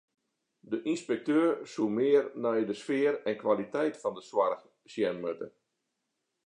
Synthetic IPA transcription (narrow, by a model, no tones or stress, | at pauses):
dəʔinspɛk̚tøːrsumɪərnɛjdəsfɪəɾɛnkwalitɛjtfɔndəswarx | sjɛnmøtə̰